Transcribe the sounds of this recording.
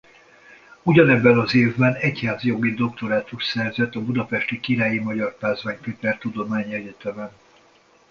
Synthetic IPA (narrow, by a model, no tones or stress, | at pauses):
uɟɒnɛbːɛnɒzeːvbɛnɛchaːzjo̞ɡid̪o̞k̚t̪o̞ɾaːt̪uʃsɛrzɛt̪ɒbud̪ɒpɛʃt̪ikiɾaːjimɒɟɒrpaːzvaːɲpeːt̪ɛrt̪ud̪o̞maːɲiɛɟɛt̪ɛmɛn